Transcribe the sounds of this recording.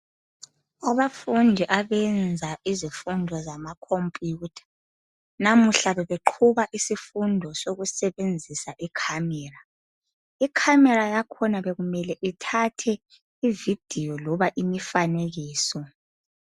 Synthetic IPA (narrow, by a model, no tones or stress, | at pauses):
aβafundʱiʔaβɛnd͡zʱaʔizifundʱɔzamakʰompʼjuːtʰḁ | namuɬaβɛβeǃʰuβaʔisifundʱɔsoɣusɛβend͡zʱisaʔikʰamɛːra | ikʰamɛɾajakʰɔnaβɛɣumɛlɛʔitʰatʰɛ | ivid̥ʱijɔlɔβaʔimifaneɣiːsɔ